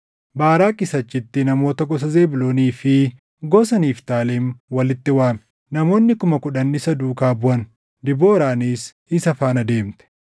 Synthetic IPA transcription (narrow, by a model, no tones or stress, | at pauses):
baːɾaːkʼɪsɐt͡ʃːɪt̪ːɪnɐmo̞ːt̪ɐɡɔsɐze̞ːbɪloːniːfɪ | ɡɔsɐniːft̪aːleːnwɐlɪt̪ːɪwaːmɛ̥ | nɐmo̞ːnːɪkʊmɐkʊᶑɐnːɪsɐd̪uːkaːbʊʔɐn | d̪ɪboːɾaːniːs | ɪsɐfaːnɐd̪e̞ːmt̪ɛ̥